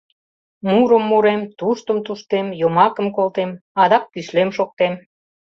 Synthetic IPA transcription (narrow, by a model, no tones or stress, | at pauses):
muɾəmːuɾemt̪uʃt̪əmt̪uʃt̪emjomɑkəmkolt̪emɑd̪ɑk̚ːyʃlemʃok̚t̪em